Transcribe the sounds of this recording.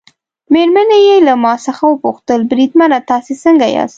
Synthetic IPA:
meɾmanejelamɑsəxawəpuxt̪əlbɾid̪manat̪ɑsesəŋɡajɑ̰st̪

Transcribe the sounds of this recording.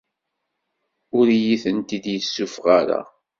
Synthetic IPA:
ʊɾjiθənt̪id̪jəsːufʁaɾa̰

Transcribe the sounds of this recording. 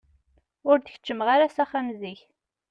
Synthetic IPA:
ʊɾd̪ə̥çə̥t͡ʃːəmʁaɾasæχamziç

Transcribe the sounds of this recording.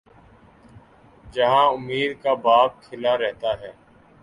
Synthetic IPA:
d͡ʒɐɦãʊmːiːd̪kabaːb̚kʰːɪlaɾɛɦt̪aɦɛː

